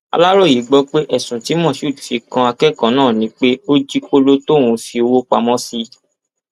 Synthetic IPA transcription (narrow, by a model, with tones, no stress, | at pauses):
a̰˧la˦ɾo˦˨ji˨˦ɡ͡bɔ˦k͡pe˦ʔɛ˦˨sũ˨ti˨˦mɔ̃˦˨ʃu˦˨du˨fi˧kã˧a˧kɛ˦˨kã˨˦nãː˦˨nĩ˨˦k͡pe˦o˦d͡ʒi˦k͡po˦lo˦tõ˦˨ũ˨˧fi˧o˧wo˦k͡pa˧mɔ̃˦si˧